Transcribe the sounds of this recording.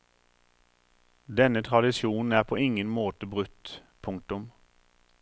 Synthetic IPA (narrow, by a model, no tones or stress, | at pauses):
d̪ɛnət̪ʰʁɑd̪ɪsjuːnn̩æːʁpʰoːɪŋənmoːt̪əbʁʉt̪pʰʊŋk̚t̪ʊm